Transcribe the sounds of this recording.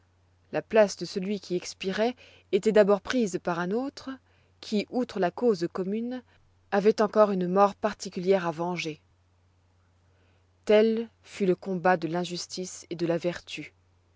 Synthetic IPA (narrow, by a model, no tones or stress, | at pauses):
laplasd̪əsəlɥikʲʰiɛkspiʁɛ | et̪ɛd̪abɔʁpχizpaʁɛ̃not̪χ | kʲʰiʔut̪χəlakozkɔmyn | avɛt̪ɑ̃kɔʁynmɔʁpaʁt̪ikʲyljɛʁavɑ̃ʒe | t̪ɛl | fyləkɔ̃bad̪əlɛ̃ʒyst̪ised̪əlavɛʁt̪y